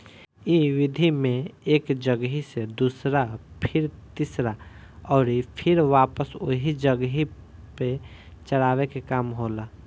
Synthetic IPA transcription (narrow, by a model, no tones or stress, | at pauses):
iʋid̪ʱimẽeːkd͡ʒəɡɦised̪usɾapʰɪɾt̪isɾa | ɔːɾipʰɪɾʋaːpəso̰ɦid͡ʒəɡɦi | pe | t͡ʃəɽaːwekekaːmɦola